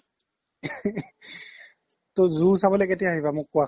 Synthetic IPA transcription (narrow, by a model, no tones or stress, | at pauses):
tozusabɔlɛketijaɦibamʊkːua